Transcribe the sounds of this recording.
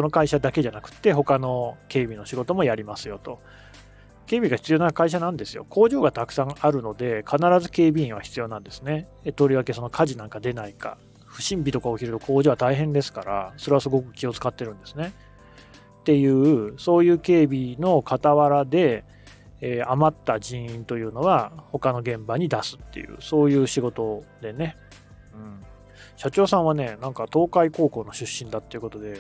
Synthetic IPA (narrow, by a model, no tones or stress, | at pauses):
sono̞kaiɕad̪ake̞ʑanakɯ̟̥t̪ːe̞ɦo̞kano̞ke̞ːbʲino̞ɕiɡo̞t̪o̞mo̞jaɾʲimasɨjo̞t̪o̞ | ke̞ːbʲiɡaçi̥t͡sɨjo̞nakaiɕ̬anãnd̪e̞sɨjo̞̰ko̞ːʑo̞ːɡat̪akɯ̟̥sãŋaɾɯ̟no̞d̪e̞kʰanaɾazɨke̞ːbʲiĩɰ̃β̞açʲi̥t͡sɨjo̞ːnãnd̪e̞sɨne̞ | t̪o̞ɾʲiβake̞so̞no̞kʰaʑinãŋkad̪e̞naika̰ | ɸɯ̟ɕĩmbʲit̪o̞kaoçiɾɯ̟t̪o̞kʰo̞ːd͡ʑo̞ːβat̪aiɦẽ̞nd̪e̞sɨ̥kaɾa̰so̞ɾe̞βasɨɡo̞kɯ̟̥kʲio̞t͡sɨ̥kat̪ːe̞ɾɯ̟̃nd̪e̞sɨne̞ | t̪e̞jɯ̟ːso̞ːjɯ̟ːke̞ːbʲino̞kat̪aβaɾad̪e̞ː | amat̪ːad͡ʑĩɰ̃ĩnt̪o̞jɯ̟ːno̞βaho̞kano̞ɡẽ̞mbaɲ̟id̪asɨ̥t̪ːe̞̰jɯ̰ːso̞ːjɯ̟ːɕiɡo̞t̪o̞d̪e̞ne̞ | ɯ̟̃ɴ | ɕat͡ɕo̞ːsãɰ̃βane̞nãŋkat̪o̞ːkaiko̞ːko̞ːno̞ɕɨɕːĩnd̪at̪ːe̞iɯ̟ko̞t̪o̞d̪e̞